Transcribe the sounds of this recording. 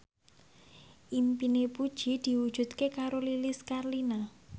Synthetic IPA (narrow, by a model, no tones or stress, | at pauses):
ʔimpinepud̥ʒ̥i̤d̪̥i̤wud̥ʒ̥ṳt̪kekaɾolilɪskarlina